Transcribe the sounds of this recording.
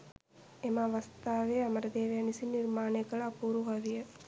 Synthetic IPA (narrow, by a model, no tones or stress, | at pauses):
emaʋɐst̪aːʋeːɐmɐɾɐd̪eːʋijɐnisiniɾmaːneɡɐɭaːpuːɾuɦɐʋijɐ